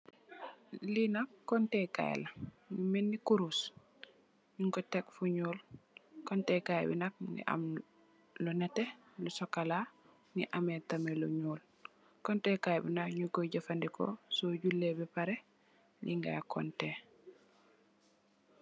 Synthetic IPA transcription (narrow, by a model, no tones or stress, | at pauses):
linak̚kɔntɛka̰j̰la | numɛnːikuɾus | ɲuŋkɔtɛkfuɲuːlkɔntɛkaj̰bḭnak̚nḭʔa̰m | lɔnɛtːɛ | lɔsɔkala | niʔamɛtamɛlɔɲuːl | kɔntɛkajbḭnakɲuɡɔɟafandikɔ̰soɟulːɛbɛpaɾɛ | liŋɡa̰kɔ̰ntɛ